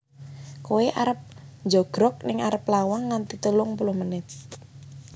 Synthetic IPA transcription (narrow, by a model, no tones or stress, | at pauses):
koeʔaɾəp̚ɲd͡ʒɔɡ̥ɾɔk̚nɪŋaɾəplawaŋːant̪it̪əlʊŋpulʊhmənɪt̪̚